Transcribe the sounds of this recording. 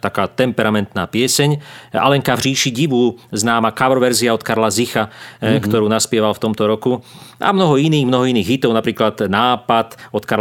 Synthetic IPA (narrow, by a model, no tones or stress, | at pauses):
t̪akaːt̪ɛmpɛɾamɛnt̪naːpɪɛsɛɲa̰lɛŋkavriːʃiɟiʋuznaːmakaʋɾɔʋɛɾziaɔt̪kaɾlazixakt̪ɔɾuːnaspɪɛʋalft̪ɔmt̪ɔɾɔkua̰mnɔɦɔiniːɣmnɔɦɔiniːɣɦit̪ɔʊapɾiːklad̪naːpat̪ɔt̪kaɾ